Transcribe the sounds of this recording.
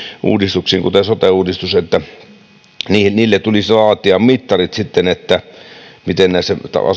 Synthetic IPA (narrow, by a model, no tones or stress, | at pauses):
ʔṵːdist̪uksiːŋkut̪esot̪euːdist̪uset̪ːæ | niːhniːlːet̪ulislɑːt̪iɑmmit̪ːɑrit̪sit̪ːenet̪ːæmit̪ennæˑset̪ɑ̰ɑ̰